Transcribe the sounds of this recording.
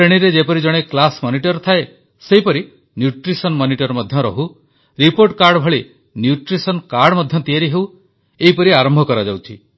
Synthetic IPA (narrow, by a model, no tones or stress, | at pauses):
pɾeɽ̃iɾed͡ʒepɔɾid͡ʒɔɽ̃eklasmɔniʈɔɾt̪ʰae | seɦipɔɾi | njuʈɾisɔnmɔniʈɔɾmɔd̪ʱjɔɾɔ̰ɦu | ɾipoɾʈkaɾɖbʱɔɭi | njuʈɾisɔnkaɾɖmɔd̪ʱjɔt̪iaɾiɦew | eɦipɔɾiaɾɔmbʱɔkɔɾad͡ʒawt͡ʃʰi